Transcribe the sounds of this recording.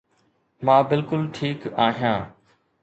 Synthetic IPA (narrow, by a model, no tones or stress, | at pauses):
mãːbɪlkʊlʈʰiːkaːɦjãː